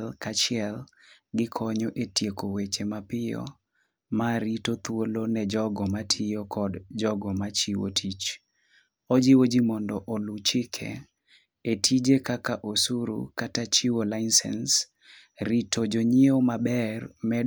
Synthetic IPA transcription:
lkat͡ʃɪɛlɡɪkʰɔɲɔʔetjekowet͡ʃemapɪjɔ̰ | maɾitot̪wolonɛd͡ʒɔɡɔmatʰiokʰɔdd͡ʒɔɡɔmat͡ʃiwo̰tʰit͡ʃ | ɔd͡ʒiwod͡ʒimɔndɔʔolut͡ʃɪkʰɛ̰ | etʰid͡ʒekakaʔosuɾṵkatat͡ʃiwolaɪnsɛ̰ns | ɾitʰod͡ʒoɲiomabɛrmɛ

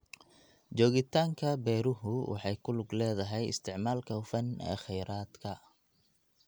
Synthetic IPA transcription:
d͡ʒɔːɣɪt̪ʰaːŋkʰɐbɛːɾʊɦʊwʔɑ̰ħɑjkʰʊlʊɡlɛːðɐɦɛjɪ̰st̪ʰɪʕmaːlkʰɐfɐnɛ̰ːχɛjɾaːd̪kʰɐ

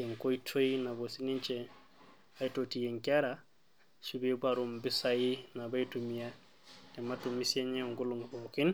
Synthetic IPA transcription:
eŋkoitʰoinabosinint͡ʃe | ajtotijeŋkaɾa | subebaɾumbisajinabajtumija | kematumːisieɲeŋɡuluŋbokin

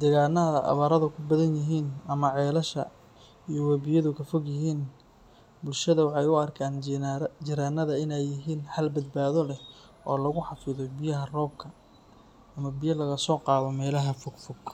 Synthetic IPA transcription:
d̪ɛːɣaːnɐðɐʔɐ̰βɐɾɐðɐkʰʊbɐðɐnjɐɦiːnɐmɐʕɛːlɐʃɐ̰ | ijɔwɐbɪjɐðʊkʰɐfɔɡjɐɦiːn | bʊlʃɐðɐwɑħɑjʊɐrkʰaːnd͡ʒɪɾaːnɐðɐɪnɛjːɪɦiːnħɐlbɐd̪̚baːðɔlɛ | ʔɔːlɐɣʊħɑfɪðɔbɪjɐɦɐrɔːb̚kʰɐː | mɐbɪjɐlɐɣɐsɔːqɑːβɔmɛːlɐɦɐfɔɡfɔɡ

